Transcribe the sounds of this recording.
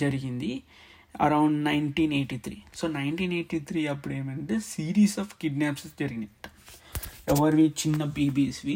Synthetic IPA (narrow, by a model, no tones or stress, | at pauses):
d͡ʒɐɾiɡind̪i | ɐ̰ɾɐwɳɖnɐjɳʈiːneːʈiːt̪ʰɾḭːsoːnɐjɳʈiːneːʈiːt̪ʰɾiːɐpːuɽeːmɐɳʈesiːɾiːsaːfkiɖnaːpsd͡ʒɐɾiɡind̪i | ɛʋɐɾʋiːt͡ʃinːɐbiːbiːsʋi